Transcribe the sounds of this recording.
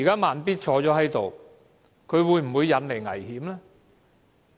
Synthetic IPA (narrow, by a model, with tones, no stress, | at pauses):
i˨kaː˥maː˨npiː˥t̚t͡ʃʰɔː˨˥t͡sɔː˨˥ɦɐ˨˥jt̪o̰˨w | kʰɵ˨˧ɥwuː˨˧jm̩˨˩wuː˨˧jːɐ˨˧nle˨˩jŋɐ̰˨˩jhiː˨˥mlɛː˥